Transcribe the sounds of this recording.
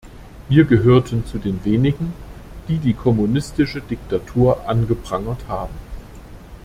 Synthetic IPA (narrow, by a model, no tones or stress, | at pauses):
viːɐɡəɦøːɐtʰənt͡sudeːnveːnɪɡŋ̩d̥iːdiːkʰɔmunɪstɪʃədɪk̚tatʰuːɐʔanɡəpʁ̥aŋɐthaːbm̩